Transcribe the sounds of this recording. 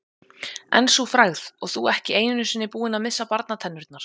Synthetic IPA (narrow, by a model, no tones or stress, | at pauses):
ɛ̰nsufɾaɣðɔɣθuɛhcɪeːjnʏnʏsvɪnːɪpuːɪnaðmɪsːapaɾt̪nat̪ʰɛnːʏɾt̪naɾ̥